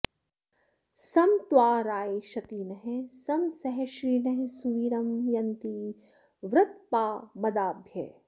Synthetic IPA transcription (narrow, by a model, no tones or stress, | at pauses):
sɐmt̪waːɾaːiʃɐt̪inɐɦẽsɐmsɐɦeʃɾiːnɐɦẽsuʋiːɾɐmjɐnt̪i | ʋɾɪt̪̚paːmɐd̪aːbʱjɐ̰